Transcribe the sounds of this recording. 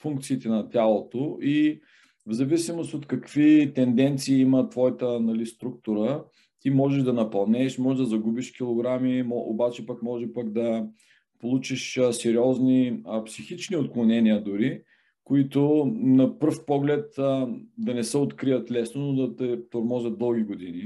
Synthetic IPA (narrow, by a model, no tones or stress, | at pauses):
fuŋk̚t̪siːt̪ɛnɐt̪ʲalˠot̪oʔi | vzɐvisimost̪ot̪kɐkv̥it̪ɛnd̪ɛnt̪siːimət̪vɔjət̪ənɐlist̪ɾuk̚t̪ʊɾə | t̪imɔʒɛʒd̪ɐnɐpɐlˠnɛʃmɔʒɛʒd̪ɐzɐɡubiʃkʲilˠoɡɾamimɔʔo̰bat͡ʃɛpakmɔʒɛpakd̪ɐ | polˠut͡ʃiʃsɛɾiɔzniəpsixit͡ʃniot̪̚klˠonɛniəd̪ʊɾi | kʊit̪ʊnɐpəɾfpɔɡlɛt̪d̪ɐnɛsɛot̪kɾiət̪lɛsnonod̪ɐt̪ɛt̪oɾmɔʒət̪̚d̪ɤlˠɡʲiɡod̪ini